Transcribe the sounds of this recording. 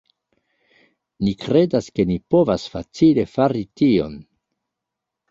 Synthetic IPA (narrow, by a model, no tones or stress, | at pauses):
nikɾe̞daske̞nipo̞vasfat͡sile̞faɾitio̞̰n